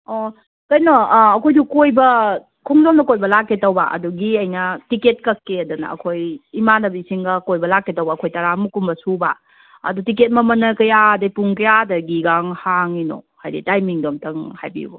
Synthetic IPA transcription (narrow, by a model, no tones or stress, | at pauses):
o | kɐjnoːkʰojdukojbɐ | kʰuŋzomdɐkojbɐlakːetɐwbaʔɐ̰duɡiɐjnɐtiket̚kɐkːeɐdɐnɐ̰ɐ̰kʰojimanɐbisiŋɡɐkojbɐlakːetɐwbɐːkʰojtɐɾamukumbɐsuba̰ | ɐ̰dutiket̚mɐmɐnɐkɐjadɐjpuŋkɐjadɐɡiɡaŋhaŋino̰hajɾḭtajmiŋdomtɐŋhajbḭṵbo